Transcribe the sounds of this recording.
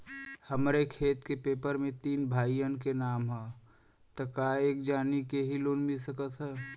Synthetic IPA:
həmɾekʰeːt̪kepeːpəɾmẽt̪iːnbʱaːijənkenaːmɦɛː | t̪əkaːeːkd͡ʒaːnikeɦiloːnmɪlsəkət̪ɦɛː

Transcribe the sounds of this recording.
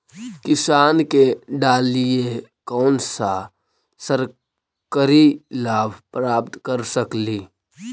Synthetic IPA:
kɪsaːnkeɖaːliekɔːnsa | səɾ | kəɾilaːbʱpɾaːp̚t̪kəɾsəkliː

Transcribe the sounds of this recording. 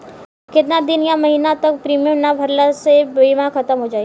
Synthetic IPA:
kɪt̪nad̪ɪnjãmɐɦiːnat̪ɐk̚pɾiːmijə̃mnabʱɐɾlasebiːmãxɐt̪əmɦod͡ʒaːi

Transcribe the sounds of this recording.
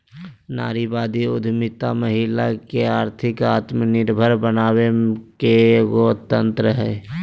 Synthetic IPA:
na̰ːɾibaːd̪iʊd̪ʱmɪt̪aməɦɪlakeaːɾt̪ʰɪkaːt̪mənɪɾbʱəɾbənaːwekeɡot̪ːə̃nt̪ɾəɦɛː

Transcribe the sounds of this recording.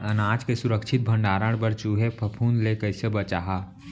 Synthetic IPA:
ənaːd͡ʒkesʊɾəkʃʰɪt̪̚bʱə̃ɳɖaːɾəɽ̃bəɾt͡ʃuːɦepʰəpʰuːnlekəɪsebət͡ʃaːɦa

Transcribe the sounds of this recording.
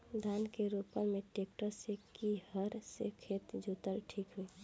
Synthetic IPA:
d̪ʱankeɾopənmeʈek̚ʈəɾsekihəɾsḛkʰet̪d͡ʒʱut̪əlʈʰikɦui

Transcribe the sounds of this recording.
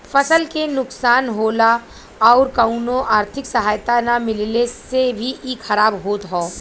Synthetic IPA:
fɐsəlkenʊksaːnɦoːla | ɔːɾkəʊnõʔaːɾt̪ʰɪksɐɦaːjt̪anamɪllesebʱiiːxʰɐɾaːbɦoːt̪ɦɔː

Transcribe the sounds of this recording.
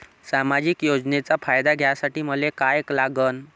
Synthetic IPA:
samad͡ʑikjod͡znet͡safajd̪aɡʱjasaʈiːməlekajeklaɡən

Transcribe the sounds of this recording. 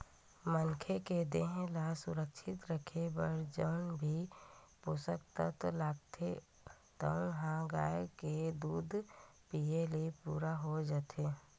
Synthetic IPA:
mənkʰeked̪eːɦẽlasʊɾəkʃʰɪt̪ɾəkʰebəɾd͡ʒəʊnbʱipoːsək̚t̪ət̪laːɡt̪ʰe | t̪əʊnɦãɡaːeked̪uːd̪ʱpieləipuːɾaɦod͡ʒat̪ʰeː

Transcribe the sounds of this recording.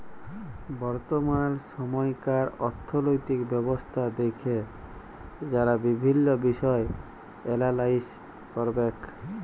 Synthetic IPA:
bɔɾt̪omanʃɔmɔjkaɾɔɾt̪ʰːolojt̪ikbɛbost̪ʰad̪ekʰe | d͡ʑaɾabibʱinːobiʃɔe | elalais | kɔɾbek

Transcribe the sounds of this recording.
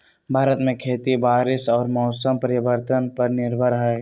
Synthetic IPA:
bʱaːɾət̪mẽkʰeːt̪ibaːɾɪsɔːɾmɔːsəmpəɾɪbəɾt̪ənpɐɾnɪɾbʱəɾɦɛː

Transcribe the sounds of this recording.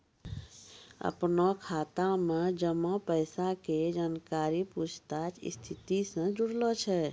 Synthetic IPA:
ə̰pnɔkʰaːt̪amed͡ʒəmɔpəjsaked͡ʒaːnkaːɾiput͡ʃʰt̪at͡ʃḭst̪ʰit̪isə̃d͡ʒʊɽlɔt͡ʃʰɛ

